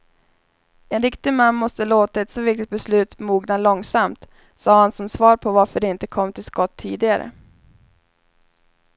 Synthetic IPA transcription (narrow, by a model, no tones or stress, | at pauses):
ɛnɾɪkt̪ɪmanːmɔst̪əloːt̪aɛt̪sɔvɪk̚t̪ɪt̪̚bɛslʉ̟ːt̪muːɡnalɔŋsamt̪ | sɑːhansɔmsvɑːɾpʰɔvaɾfœɖɛɪnt̪əkʰɔmːt̪ʰɪlskɔt̪ʰːiːd̪ɪɡaɾə̰